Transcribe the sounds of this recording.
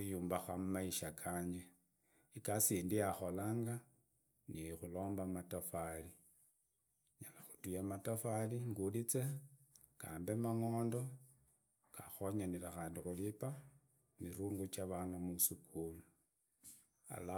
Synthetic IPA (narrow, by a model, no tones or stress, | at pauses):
ujuːmbaxamumaiʃakʰaːɲe | ikasiːndiaxo̞laːŋɡa | nixulo̞ːmbamatafali | ɲalaxu̥tujamatafaliŋɡulit͡se̞ | kaːmbemaŋoːndo̞ | kaxoɲaniɾaxaːndixulipa | miɾuːŋɡut͡ʃaβanamusukʰulu | a̰la